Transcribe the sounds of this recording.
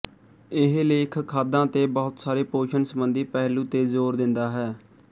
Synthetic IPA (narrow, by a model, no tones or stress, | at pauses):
ɪɦleːɪkʰkʰaːd̪ãːt̪eːbɔːʊt̪saːɾeːpoːʃənsəbənd̪iːpɛːɦluːt̪eːzoːɾd̪ɪnd̪aːɦɛː